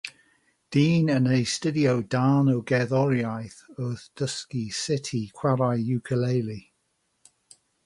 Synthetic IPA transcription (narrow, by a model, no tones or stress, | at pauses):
d̥iːnənejstədiowdaːnowɡɛðɔɾjajθɔːðd̥əskisɪtʰikʰw̥aɾajjukʰəlejlˠi